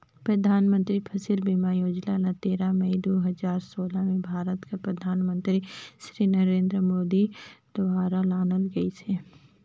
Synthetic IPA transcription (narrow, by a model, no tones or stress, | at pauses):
pɾɐd̪ʱaːnmə̃nt̪ɾipʰɐsɪlbimajoːd͡ʒlalat̪eːɾaməid̪oɦɐzaːɾsoːlamẽbʱaːɾət̪kapɾɐd̪ʱaːnmə̃nt̪ɾiʃɾiːnɐɾẽːnd̪ɾəmoːd̪id̪̥ʊbaːɾalaːnəlɡɐisʰe